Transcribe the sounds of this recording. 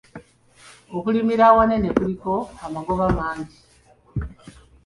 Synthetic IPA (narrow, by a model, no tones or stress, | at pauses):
okulimiɾawanenekulikoamaɡoβamaːɲɟi